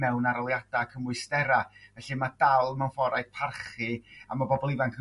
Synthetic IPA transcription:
mɛwnaɾɔlˠjad̥akʰəmʊɨstɛɾavɛɬimad̥alˠmawnfɔɾajd̥̚pʰarχɨa̰mabɔbɔlˠivankʰ

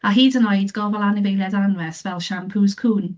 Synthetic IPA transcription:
aɦiːdənɔjdɡ̥ɔvɔlˠanɪvejlɛdanvɛsvɛlˠʃampʰuːz̥kʰuːn

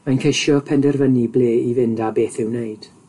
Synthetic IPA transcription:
majnkʰeʃjɔpʰɛndɛrvənibleːivɪndabeːθɪwneɨd̥

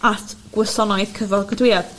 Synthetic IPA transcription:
atʰɡ̥wəsɔnɔɨðkʰəvɔlˠɡədwɪað̥

